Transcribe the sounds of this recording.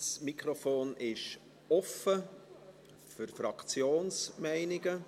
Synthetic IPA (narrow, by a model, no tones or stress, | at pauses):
smikʰɾofoːnʔɪʃ | ɔfə | fyɾfɾɑkt͡sjoːnsmæɪnɪɡə